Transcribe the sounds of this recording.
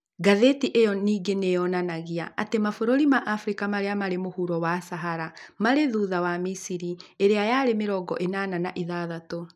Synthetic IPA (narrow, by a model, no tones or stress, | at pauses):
ɡaðetiʔejɔniːɡenejɔnanaɣiaʔatemafoɾoɾimaʔafɾikamaɾeamaɾemohuɾɔwasaɦaɾamaɾeðuðawamisiɾieɾeajaɾemeɾɔɡɔ̰ʔenananaʔiðaðato